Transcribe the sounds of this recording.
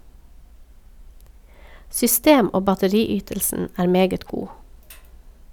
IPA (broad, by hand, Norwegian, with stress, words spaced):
sʏˈsteːm ˈoː bɑtəˈɾiːˌyːtəlsn̩ ˈæːɾ ˈmeːɡət ˈɡuː